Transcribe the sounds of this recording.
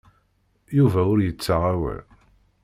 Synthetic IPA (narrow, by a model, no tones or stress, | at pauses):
juvæʊɾjət͡sːəʁæwæ̰